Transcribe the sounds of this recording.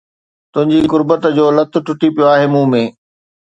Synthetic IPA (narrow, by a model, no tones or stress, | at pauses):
t̪ʊ̃ɦɪ̃ɲd͡ʑikʊɾbət̪d͡ʑoːlɐt̪ʰʊʈʊʈipijoaːɦeːmũːmẽː